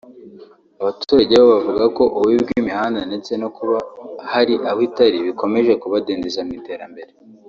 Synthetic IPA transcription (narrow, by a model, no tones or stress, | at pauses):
aβatuɾaɟe̞βoβavuɡako̞ʔuwibɡwimihaːndanet͡se̞no̞kuβahaɾiʔawitaɾiβiko̞me̞ʒe̞kuβadeːndezaimite̞ːɾambe̞ɾe